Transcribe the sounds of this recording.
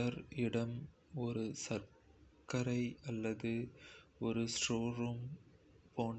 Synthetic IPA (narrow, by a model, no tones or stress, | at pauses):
ɐɾɪɽɐm | ɔɾɯsɐɾ | kɐɾɐɪɐlːɐðɯɔɾɯsʈoːɾuːm | poːɳ